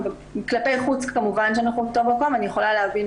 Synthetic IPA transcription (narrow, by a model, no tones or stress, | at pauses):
ve | klape̞jχut͡skamuvanʃ̬eanaχutovmako̞manijeχo̞laleavin